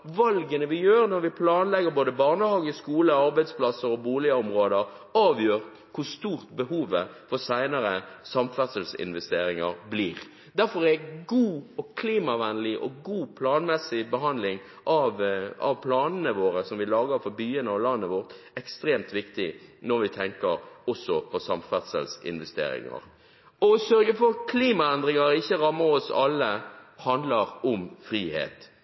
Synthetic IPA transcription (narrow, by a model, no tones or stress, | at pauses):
ʋɑlɡənəʋɪjøːɾnɔɾʋɪpʰlɑːnlɛɡːəɾboːd̪əbɑʁnəhɑːɡəskuːləɑɾbæɪd̪spʰlɑsəɾɔbuːlɪəɔmɾoːd̪əɾ | ɑːʋjøːɾ | kʰʊst̪uːɾt̪bəhuːʋəfɔsæɪnɑɾəsɑmfæt̪səlsɪ̰nʋɛst̪eːɾɪŋɑ̰ɾbliːɾ | d̪æɾfɔɾæɡuːɔkʰliːmɑʋænlɪʔɔ̰ɡuːpʰlɑːnmɛsːɪbəɦɑnd̪lɪŋ | ʔɑʋɑ̰ʋpʰlɑːnnəʋoːɾəsɔmʋɪlɑːɡəɾfɔɾbyːənəɑlɑnːəʋɔɾt̪ | ɛkst̪ɾeːmt̪ʋɪkt̪ɪnɔɾʋɪt̪ʰɛŋkəɾɔsːɔpʰɔsɑmfæt̪sə̰lsɪ̰nʋɛst̪ḛːɾɪ̰ŋɑ̰ɾ | ɔsœɾɡəfɔkʰliːmɑɛnd̪ɾɪŋɑɾɪçːəɾɑmːəɾɔsɑlːəhɑnd̪ləɾɔmfɾiːhḛːt̪